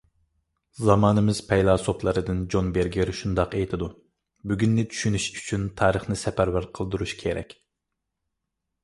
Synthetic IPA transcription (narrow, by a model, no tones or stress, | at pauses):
zɑmɑːnɨmɨz̥pʰɛjlˠɑːsopʰlˠɨɾɨd̪ɨnd͡ʒonbeɾɡʲɪɾʃund̪ɑqejt̪ʰɪd̪u | byɡʲynːɪt͡ʃ̪ʰy̥ʃynyʃyt͡ʃʰynt̪ʰɑːɾəχnɨsɛpæɾbæɾqʰəlˠd̪uɾuʃkʲʰeɾɛ̰kʲ